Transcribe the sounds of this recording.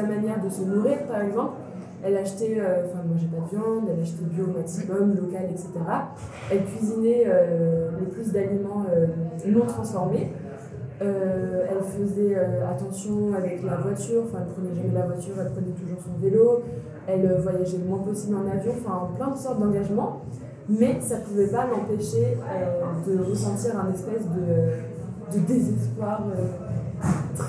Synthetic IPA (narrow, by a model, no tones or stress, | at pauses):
amanjɛʁd̪əsənuʁiʁpaʁɛɡzɑ̃pl | ɛlaʃt̪ɛøɑ̃fɛ̃mwaʒɛpad̪əvjɑ̃d̪ɛlaʃt̪ɛbjomaksimɔnlɔkalɛkset̪eʁa | ɛlkʲɥizinɛøləplys̬d̪alimɑ̃ønɔ̃t̪χɑ̃sfɔʁme | øɛlfəzɛøat̪ɑ̃sjɔ̃avɛklavwat̪yʁɑ̃fɛ̃ɛlpχənɛʒamɛlavwat̪yʁɛlpχənɛt̪uʒuʁsɔ̃velo | ɛløvwajaʒɛmwɛ̃pɔsiblɑ̃navjɔ̃ɑ̃fɛ̃ɑ̃plɛ̃d̪sɔʁt̪̚d̪ɑ̃ɡaʒmɑ̃ | mɛsapuvɛpalɑ̃peʃeød̪əʁəsɑ̃t̪iʁɛ̃nɛspɛsd̪ə | d̪əd̪ezɛspwaʁø | t̪χ